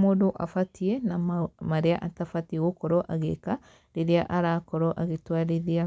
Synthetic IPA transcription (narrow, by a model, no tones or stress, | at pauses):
modoʔafatienamaɾeaʔatafatiɣokɔɾɔʔaɣḛka | ɾeɾeaʔaɾakɔɾɔʔaɣetwaɾeðia